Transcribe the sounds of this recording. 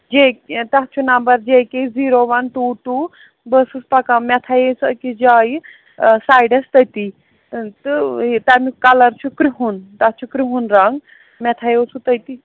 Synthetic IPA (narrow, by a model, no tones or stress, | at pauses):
d͡ʒekt̪ɐɦt͡ʃʰunɐmbɐɾd͡ʒekeziːɾoʋɐnʈuːʈu | bəsuspɐkamɛt̪ʰajesɐkid͡ʒaːj | saːjɖɐst̪ɐt̪i | t̪ɨt̪ɐmikɐlɐɾt͡ʃʰukɾiɦunt̪ɐt͡ʃʰukɾiɦunɾɐŋɡ | mɛt̪ʰajot͡sʰut̪ɐt̪i